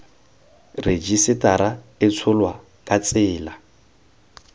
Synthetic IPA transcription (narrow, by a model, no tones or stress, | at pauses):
red͡ʒisɪtʼaɾaɪt͡sʰʊlwa | kʼat͡sʼɪːla